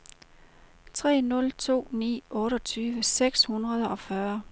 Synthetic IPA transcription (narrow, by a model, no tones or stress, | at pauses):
t͡sʰʁɛ̰ːnɔ̽lt͡sʰo̝̰ːnḭːʔɔ̽ːɾɒt͡sʰyːʋəseɡ̥shunʁɐð̞ˠɒ̽fɶɐ